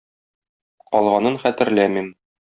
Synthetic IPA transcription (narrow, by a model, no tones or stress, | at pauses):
qɒlˠʁɑnɤnχæt̪ɘ̆ɾlæmim